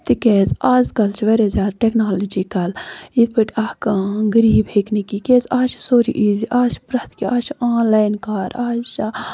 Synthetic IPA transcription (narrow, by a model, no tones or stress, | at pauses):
t̪ikɛːzaːzkɐlt͡ʃʰʋɐɾezaːɾʈeknaːlɐd͡ʒiːkɐlit̪̚pɨʈʰʲahkaɡəɾiːbʱeknikikeːzaːt͡ʃʰsoːɾḭʔiːziʔaːt͡ʃpɾɐt̪kiʔaːt͡ʃaːnlaːjnkaːɾaːt͡ʃa